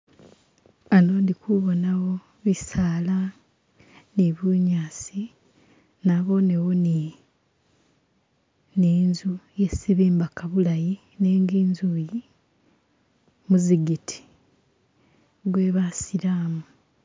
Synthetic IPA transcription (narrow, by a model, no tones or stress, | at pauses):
anoːndikuβo̞nawo | βisaːla | niβuɲaːsi | naβo̞newoni | neːnzuje̞siβiːmbakaβulaji | ne̞ːŋɡiːnzuji | muziɡitʰi̥ | βwe̞ːβasiɾaːmu